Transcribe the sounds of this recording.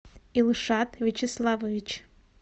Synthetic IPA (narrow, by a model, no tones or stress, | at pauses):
ilˠɨʂatvʲet͡ʃʰeslˠavovʲit͡ʃʰ